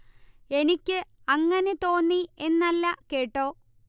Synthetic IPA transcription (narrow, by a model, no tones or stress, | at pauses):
e̞nikʲːɨɐŋːɐne̞t̪o̞ːnːie̞nːɐlːɐke̞ːʈːoː